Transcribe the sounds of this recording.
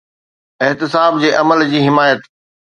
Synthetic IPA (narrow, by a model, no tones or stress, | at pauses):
ɪɦt̪ɪsaːb̚d͡ʑeːʔɐməld͡ʑiːɦɪmaːjət̪